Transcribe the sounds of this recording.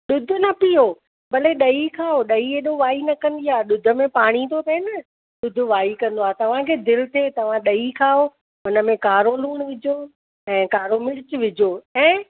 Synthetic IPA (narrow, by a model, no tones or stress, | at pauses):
ɗʊd̪ʱʊ̆nɐpijo | bɐleɗɐikʰaːoɗɐieːɗoʋaːinɐkɐ̃nd̪iaːɗʊd̪ʱə̆mẽpaːɽ̃it̪ʰot̪ʰɐɪnə | ɗʊd̪ʱʊ̆ʋaːikɐ̃nd̪oaːt̪ɐʋ̤ãkʰeːd̪ɪlt̪ʰeːt̪ɐʋ̤ãɗɐikʰaːo | ɦʊnə̆mẽkaːɾoluːɽ̃ʋɪd͡ʑo | ɛ̃ːkaːɾomɪɽɪt͡ɕʋɪd͡ʑʱoːɛ̃ː